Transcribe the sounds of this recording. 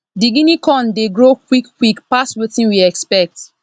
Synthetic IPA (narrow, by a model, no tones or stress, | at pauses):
diɡinikɔ̃ndeɡɹokwikːwikpaswetĩnwiɛkspɛk̚t